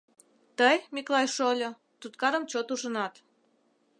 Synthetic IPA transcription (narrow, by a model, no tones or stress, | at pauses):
t̪əjmʲiklɑjʃolʲo | t̪ut̪kɑɾə̆mt͡ɕot̪uʒənɑt̪